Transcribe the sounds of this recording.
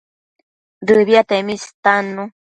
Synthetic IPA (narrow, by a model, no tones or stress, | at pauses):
dɨβjat̪emist̪anu